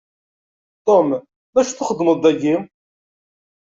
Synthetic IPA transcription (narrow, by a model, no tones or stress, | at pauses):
t̪om | mæʃθʊχəd̪ːməd̪ˤæɡim